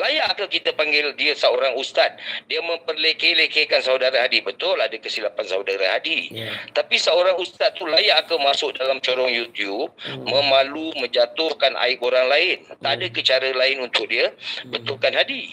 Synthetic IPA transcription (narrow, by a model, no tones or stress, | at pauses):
lajaʔːkakit̪əpaŋɡɪldiəsəoɾaŋust̪at̪̚diəmə̃mpərlekelekekansaudaɾaɦadibət̪ʊladəkəsilapansaudaɾahadit̪apisəoɾaŋust̪at̪ːulajaʔːkəmasʊk̚dalamt͡ʃɔɾɔŋjut̪jub̚mə̃mãlumə̃ɲd͡ʒat̪ʊhkanʔa̰ɪkoɾaŋlaɪnt̪adəkət͡ʃaɾəlaɪnunt̪ʊk̚diəbət̪ʊlkanɦadi